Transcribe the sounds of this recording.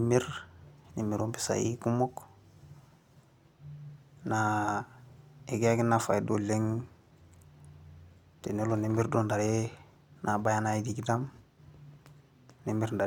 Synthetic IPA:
mi˦ɾni˨mːi˨ɾo˦mpi̥˦sa̰˨jḭ˦ku˦mo˦k | na˨ | e˨ɡe˦a˦ki˦nːa˨fa˨ido˨le˦ŋ | te˨ne˦lo˨ne˦mi˦ɾdo˦nda˨ɾe˦ | nʔa˨ba˦ja˦na˦idi˨ɡi˦da˦m | ne˦mi˦ɾnda˨

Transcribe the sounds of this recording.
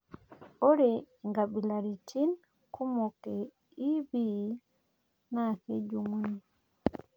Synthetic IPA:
o˦ɾɛ | ŋɡa˨bi˨la˨ɾi˨t͡ʃi˦n | ku˦mo˨ke˨ | i˦bi˦ | na˦ke˦d͡ʒu˨ŋu˦ni˦

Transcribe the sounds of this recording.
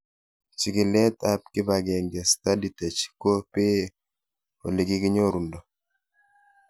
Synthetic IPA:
t͡ʃi˨ɡɪ˨lɛ˦t̪a˦p̚kɪ˦ba˨ɡɛ˨ŋɡɛ˨sta˦di˨tɛ˨t͡ʃko˦pɪ˦ | o˨li˨ɡɪ˦kɪ˦ɲo˦ɾu˨ndɔ˨

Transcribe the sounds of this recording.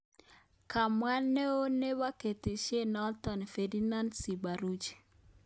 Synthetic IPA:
ka˨mwa˦nːe˦o˦ne˦wa˦ke˨te˨ʃje˦nɔ˦ltɔ˨n˨fe˨di˦na˦nsi˨ba˨ɾu˦d͡ʒ

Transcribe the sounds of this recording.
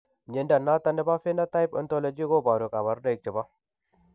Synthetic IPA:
ɲe˨nda˨na˦t̪a˦ndə˦ba˦fe˦na˦t̪a˦i˦pə̰˨nt̪o˦lo˨d͡ʒi˦ɡo˦ba˨ɾu˨kʼa˨βa˨ɾde˨jk̚tə˨ba˦

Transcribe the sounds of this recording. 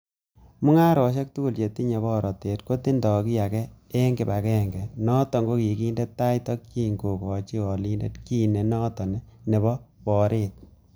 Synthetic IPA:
mu˦ŋa˦ɾɔ˨ʃ̬e˦k̚tu˦ku˦˨lt͡ʃe˨ti˦ɲe˨bɔ˦˨ɾɔ˨te˨tko˦ti˦ndɔ˨ki˦a˨kɛ˦e˦ŋɡe˨ba˨kɛ˦˨ŋɡɛ˨nɔ˦tɔ˨ŋɡo˦ki˨kiː˦nde˦tːa˦jtɔ˦kt͡ʃi˦ŋɡo˨kɔ˨t͡ʃi˦ɔ˨li˦nde˦tki˦ne˨nɔ˦tɔ˨nɛ˦ne˨bɔ˦pɔ˨ɾeː˦t̚

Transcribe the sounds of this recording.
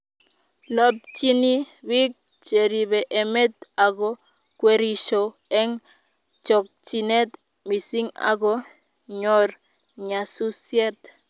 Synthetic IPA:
lɔ˦p̚t͡ʃi˦ni˦ | wi˦k̚ | t͡ʃe˨ɾi˨βɛ˨ʔe˨mɛ˦t̪a˨ɡɔ˦ | kwe˦ɾi˨ʃo˨ | ɛ˦ŋ | t͡ʃɔ˨k̚t͡ʃi˨ne˦t̪ | mi˨si˦ŋa̰˨ɡɔ˦ | ɲɔ˨r | ɲa˨su˦sjɛ˦t̪

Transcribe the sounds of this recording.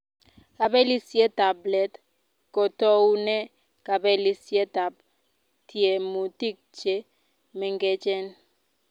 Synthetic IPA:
ka˨bɛ˦li˦sje˦ta˨blɛ˨t | ko˨tɔ˦u˦nɛ˦ | ka˨bɛ˦li˨sje˦ta˨b̚ | tje˨mu˨ti˦k̚t͡ʃe˦ | mɛ˨ŋ˦ɡɛ˦t͡ʃɛ˦n

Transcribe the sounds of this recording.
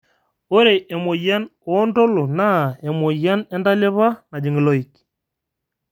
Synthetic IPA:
o˦ɾe˨ʔe˨mo˨ja˦no˨˦ndo˦lo˨na˦˨e˨mo˨ja˦nɛ˦nda˦le˦βa˦na˨d͡ʒi˨ŋɡi˨lɔ˦i˨ki̥˨

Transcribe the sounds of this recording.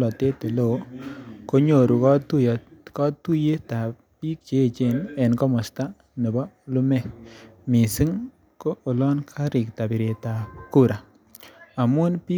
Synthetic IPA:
lɔ˨te˦tu˨lo˨ko˦ɲo˨ɾu˨kɔ˦tu˦˨kɔ˦tu˦je˦ta˨ | pi˦k̚t͡ʃe˨˦˨t͡ʃe˦˨nɛ˨nkɔ˦mɔ˨sta˦ | ne˨bɔ˦lu˦mɛ˦˨mi˨si˦ŋ | koː˦˨lɔ˦nkʰa˦ɾɪ˨k̚ta˨bi˨ɾe˨ta˨ku˦ɾa˨ | a˨mʊ˦npi˦

